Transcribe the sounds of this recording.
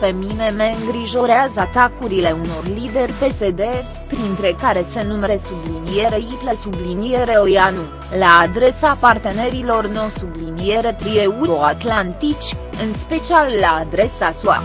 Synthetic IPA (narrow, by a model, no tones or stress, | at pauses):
pe̞mine̞me̞ɨŋɡɾiʒo̞ɾeazəat̪akuɾile̞uno̞rlid̪e̞rʲpe̞se̞d̪e̞ | pɾint̪ɾe̞kaɾe̞se̞numeɾe̞sublinije̞ɾeit̪le̞sublinije̞ɾe̞ojanu | laːd̪ɾe̞sapart̪e̞ne̞ɾilo̞rno̞sublinie̞ɾe̞pɾieuɾo̞at̪lant̪it͡ʃʲ | ɨnspe̞t͡ʃialːaːd̪ɾe̞sasua̰